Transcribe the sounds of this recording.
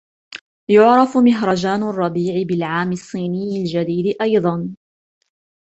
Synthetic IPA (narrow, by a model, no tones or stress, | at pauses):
jʊʕɾɑfmɪɦɾˤɑd͡ʒaːnʊrˤːɑbiːʕɪbɪlʕaːmɪsˤːiːnɪjːɪld͡ʒad̪iːd̪ɪʔɑjd̪ˤɑn